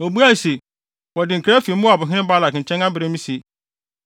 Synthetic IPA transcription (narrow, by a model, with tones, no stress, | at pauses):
o˨bu˦a˦˨se˨ | wɔ˨dɪ˨ŋ̩˨kʰɾa˦fi˨˦mʊ̃˦a˨bʊ˨ɦɪ̃˦nɪ̃˦ba˦la˨k̩˨t͡ɕʰɛ̃˦ŋã˦bɪ˨ɾe˦mĩ˦si˨e˨